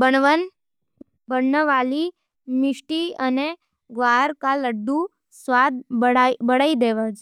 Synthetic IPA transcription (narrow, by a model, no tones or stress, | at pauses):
bəɳʋən | bəɳnəʋali | mɪʃʈiəne | ɡʋaɾkaləɖːũ | sʋad̪̚bəɽaid̪eʋad͡ʒ